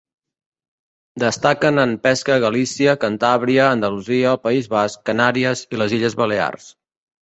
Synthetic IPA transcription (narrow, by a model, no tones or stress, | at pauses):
d̪əst̪akənəmpɛskəɣəlisiəkənt̪aβɾiəːnd̪əluziəpəizβaskːənaɾiəziləziʎəzβəlea̰rs